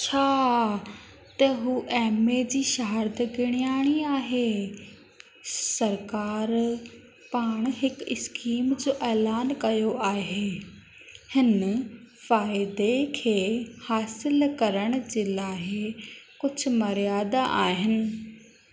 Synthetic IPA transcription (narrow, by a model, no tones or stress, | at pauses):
t͡ɕʰaː | t̪ɐɦuːʔɛːmed͡ʑiːʃɐɦəɾd̪ɡɪɽ̃ijaːɽ̃iaːɦeː | sɐɾkaːɾ | paːɽ̃ɦɪkɪskiːmd͡ʑoːʔɛːlaːnkɐjoʔaːɦeː | hɪn | faːɪd̪ekʰeːhaːsɪlkɐɾəɽ̃ʊd͡ʑeːlaːɦɪkʊd͡ʑʱʊ̆mɐɾijaːd̪aʔaːɦɪnɪ̆